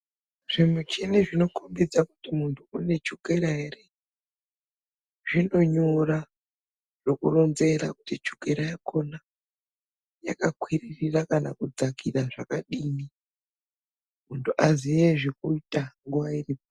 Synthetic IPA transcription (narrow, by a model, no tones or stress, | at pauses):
ʐ̥imut͡ʃeniʐino̞kombid͡zakutimuntʰuune̞t͡ʃukeɾaɦere | ʐino̞ɲura | ʐ̥okuronze̞ɾakutit͡ʃu̥keɾajakʰo̞na | jakakwiririrakana̰kud͡zakiraʐakaɗiːni | muntʰuʔazijeʐikuitaŋɡuʋairiːpo